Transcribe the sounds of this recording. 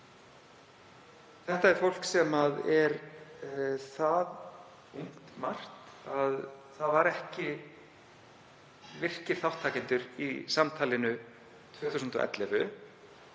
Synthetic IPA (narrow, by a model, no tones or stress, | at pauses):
θɛht̪aɛɾ̥fowl̥ksɛmaðɛɾ | θað | uŋ̥t̪mar̥t̪ | aðθaðvaɾɛhcɪ | vɪr̥cɪɾ̥θawht̪ʰːaːcɪnt̪ʏɾḭsamt̪ʰaːlɪnʏ | t̪ʰv̥œːhθusnt̪ɔ̰ʔɛ̰t̪lɛvʏ